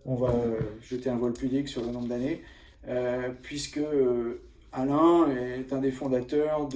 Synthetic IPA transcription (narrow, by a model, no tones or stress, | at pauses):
ɔ̃vaøʒət̪eɛ̃vɔlpybliksyʁlənɔ̃bʁd̪ane | øpɥiskəø | alɛ̃ɛt̪ɛ̃d̪efɔ̃d̪at̪œʁd̪